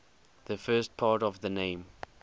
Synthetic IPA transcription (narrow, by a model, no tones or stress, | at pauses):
ðəfɜːst̚pʰaːtɔvðənẽɪ̃m